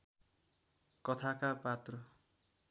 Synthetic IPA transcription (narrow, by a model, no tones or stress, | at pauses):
kʌt̪ʰakapat̪rʌ